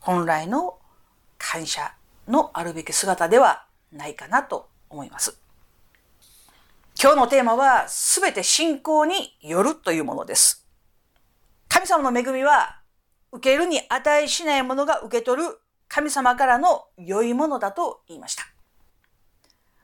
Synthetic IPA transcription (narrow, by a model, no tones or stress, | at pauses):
hõ̞nɾaino̞ | kʰãɰ̃ɕa̰ | no̞ʔaɾɯ̟be̞kʲi̥sɨɡat̪ad̪e̞β̞a | naikanat̪o̞ | omo̞ḭmasɨ̥ | kʲo̞ːno̞t̪e̞ːmaβasɨbe̞t̪e̞ɕĩŋko̞ːɲ̟ijo̞ɾɯ̟t̪o̞jɯ̟ːmo̞̰no̰d̪e̞sɨ̥ | kamʲisamano̞me̞ɡɯ̟mʲiβa | ɯ̟ke̞ɾɯ̟ɲ̟iʔat̪aiɕinaimo̞no̞ɡaʔɯ̟ke̞t̪o̞ɾɯ̟ | kʰamʲisamakaɾano̞jo̞imo̞no̞d̪at̪o̞iːma̰ɕi̥t̪ḁ